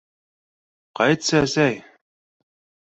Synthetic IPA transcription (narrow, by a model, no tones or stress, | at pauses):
qɑjt̪sɤæsæj